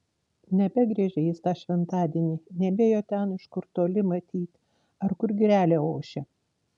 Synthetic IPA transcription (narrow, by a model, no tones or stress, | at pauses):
nʲɛbʲɛɡɾʲɛːʒʲɛjɪst̪ɑːʃʲʋʲɛnt̪ɑːd̪ʲiɛnʲiːnʲɛbʲeːjoːt̪ʲɛnɪʃkʊɾt̪oːlʲɪmɐt̪ʲiːt̪ʲ | ɐɾkʊɾɡʲɪɾʲæːlʲeːoːʃʲɛ